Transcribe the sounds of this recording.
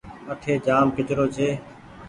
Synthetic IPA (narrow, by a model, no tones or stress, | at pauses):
əʈʰeːd͡ʒaːmkɪt͡ʃɾoːt͡ʃʰeː